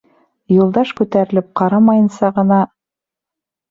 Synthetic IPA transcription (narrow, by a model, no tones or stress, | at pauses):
jŭlˠd̪ɑʃkʉt̪æɾɘ̆lɘp̚qɑɾɑmɑjɤ̆nsɑʁɤ̆nɑ